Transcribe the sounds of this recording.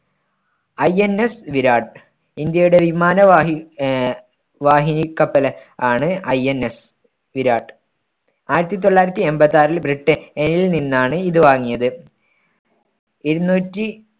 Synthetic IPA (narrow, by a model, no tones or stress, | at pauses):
ɐjenesʋiɾaːʈ | ind̪jɐjuɽe̞ʋimaːnɐʋi | ʋaːɦinikːɐpːɐlɐaːɳɨɐjenːes | ʋiɾaːɖ | aːjiɾɐt̪ːit̪̬o̞ɭːaːjiɾɐt̪ːie̞mbɐt̪ːaːɾilbriʈːɨenilninːaːɳɨiðɨʋaːŋːijɐðɨ | iɾunːuːtːi